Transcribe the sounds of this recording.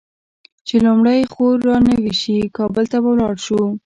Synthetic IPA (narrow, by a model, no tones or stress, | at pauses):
t͡ʃelumɽajxoɾːɑnəwiʃikɑbəlt̪abawlɑɽʃu